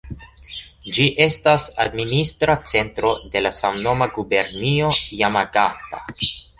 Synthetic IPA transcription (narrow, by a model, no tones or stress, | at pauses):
d͡ʒiʔe̞stasad̚ministɾat͡se̞ntɾo̞de̞lasamno̞maɡube̞ɾnio̞jamaɡata̰